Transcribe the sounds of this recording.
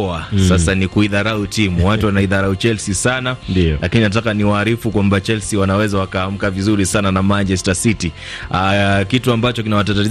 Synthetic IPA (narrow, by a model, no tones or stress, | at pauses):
ɔasasanikuiðaɾautimuwatuwanaiðaɾaut͡ʃɛlsisanandilakininat̬akaniwaːɾifukwambat͡ʃɛlsiwanawɛzawakaham̩kavizuɾisananamant͡ʃɛstasiti | akituambat͡ʃɔkinawatatai